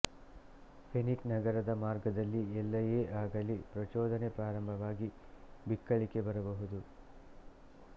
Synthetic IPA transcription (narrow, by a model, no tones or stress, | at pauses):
pʰeniknɐɡɐɾɐd̪ɐmaːɾɡɐd̪ɐlːiɛlːɐje̞ːʔaːɡɐlipɾɐt͡ʃɔːd̪ʱɐne̞pɾaːɾɐmbʱɐʋaːɡi | bikːɐɭike̞bɐɾɐbɐɦud̪u